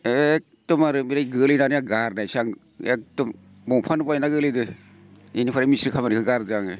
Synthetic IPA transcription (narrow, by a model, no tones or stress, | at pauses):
ek̚tɯmaɾɯmiɾajɡɯlinanɯjaɡaɾnajsaŋ | ḛk̚tɯm | bɔŋpʰanupajnaɡɯlidɯ | inipʰaɾamisɾikʰamanikʰɯɡaɾdɯaŋe